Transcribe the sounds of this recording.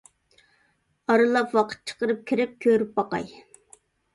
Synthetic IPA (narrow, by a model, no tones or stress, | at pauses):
ɑɾɨlˠɑpwɑqʰə̥t̪̚t͡ʃʰə̥qəɾɨp̚kʲʰiɾɪp̚kʲʰøɾyp̚bɑqɑ̰j